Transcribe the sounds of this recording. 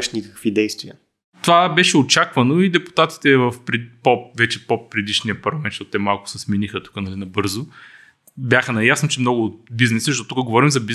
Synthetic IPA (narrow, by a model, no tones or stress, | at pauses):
ɛʃnikəkvid̪ɛjst̪viə | t̪ovabɛʃɛot͡ʃakvɐnoid̪ɛpu̥t̪at̪i̥t̪ɛvəfpɾɛpovɛt͡ʃɛpopɾɛd̪iʃnijəpɐɾlɐmɛnʃtɔt̪t̪ɛmalˠkʊ̥sɛsminixət̪u̥kənɐlinɐbɤɾzʊ | bʲjaxənɐjasnot͡ʃɛmnɔɡʊːt̪biznɛsəʃt̪ot̪ukəɡovɔɾimzɐbi